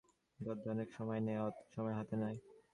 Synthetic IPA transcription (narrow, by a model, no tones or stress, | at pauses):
d̪ɔd̪ʱɔnekʃɔmɔeneʃɔmɔeɦat̪enaj